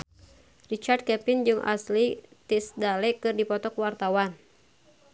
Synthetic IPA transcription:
rit͡ʃard̪̚kɛpɪnd͡ʒɨŋʔa̰slit̪isdalɛkɨrdipɔt̪ɔkwart̪awan

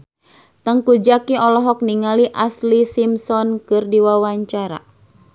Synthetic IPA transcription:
t̪əŋkud͡ʒakiɔlɔɦɔk̚niŋaliʔaslisimsɔnkɨrdiwawaɲt͡ʃaɾa̰

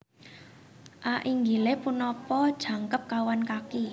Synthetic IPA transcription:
ʔaʔiŋɡilepunɔpɔd̥ʒ̥ä̤ŋkəp̚kawankaki

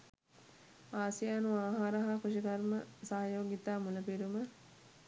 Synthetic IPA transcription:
aːsijaːnuaːɦaːɾɐɦakuʃikɐrməsaːjoːɡit̪aːmuləpiɾumə

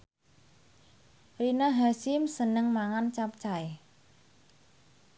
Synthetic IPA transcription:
rinaɦasɪmsənəŋmaŋant͡ʃap̚t͡ʃae

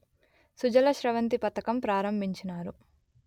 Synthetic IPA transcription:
sud͡ʒɐlɐʃɾɐʋɐnt̪ipɐt̪ɐkɐmpɾaːɾɐmbʱiɲt͡ʃinaːɾu

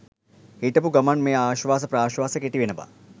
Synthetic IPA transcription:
hiʈɐpuɡɐmɐnmejaːʃʋaːs̬ɐpɾaːʃʋaːsɐkeʈiʋenɐba̰

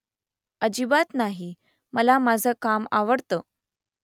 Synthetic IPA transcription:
əd͡ʑibat̪naɦi | məlamad͡zʱəkamaʋəɽt̪əː

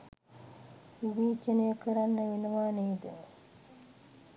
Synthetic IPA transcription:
ibiːt͡ʃːənəjəkəɾanːəʋenuʋaːneːd̪ə

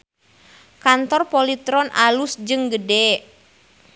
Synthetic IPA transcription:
kant̪ɔrpɔlit̪ɾɔnʔa̰lusd͡ʒɨŋɡədɛ

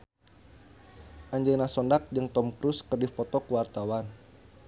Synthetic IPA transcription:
ʔaɲd͡ʒəlnasɔndak̚d͡ʒəŋt̪ɔmkɾuskərdipɔt̪ɔkuwart̪awan

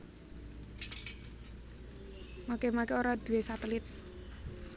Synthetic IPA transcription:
makemakeoɾad̪̥ṳwesat̪əlɪt̪̚

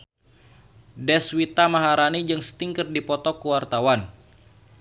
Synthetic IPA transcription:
dɛswit̪amaɦaɾanid͡ʒɨŋsə̥t̪iŋkərdipɔt̪ɔkuwart̪awan

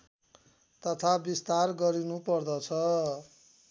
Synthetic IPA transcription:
t̪ʌt̪ʰabist̪arɡʌɾinupʌrd̪ʌt͡sʰʌ

